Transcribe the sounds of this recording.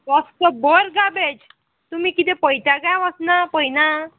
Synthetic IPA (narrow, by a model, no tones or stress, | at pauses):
ɔst̪əbəɾɡabed͡ʑ | t̪umiːkit̪epəjt̪aɡajaʋəsnapəjna